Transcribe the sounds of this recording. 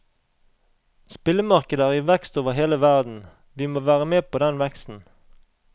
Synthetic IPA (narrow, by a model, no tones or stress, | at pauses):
spɪləmɑʁkəd̪əæːʁiːʋɛkst̪oːʋəʁheːləʋæʁd̪n̩ | ʋiːmoːʋæːʁəmeːpʰoːd̪ɛnʋɛkst̪n̩